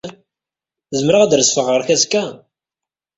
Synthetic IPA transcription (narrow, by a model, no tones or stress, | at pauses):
zəmɾəʁad̪ɾəsfəʁːəɾçæzkːæ